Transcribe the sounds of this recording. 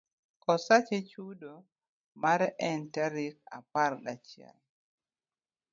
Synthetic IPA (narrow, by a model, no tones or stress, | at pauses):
kɔsat͡ʃet͡ʃudo | maɾɛʔɛntaɾik̚a̰paɾdat͡ʃjɛ̰l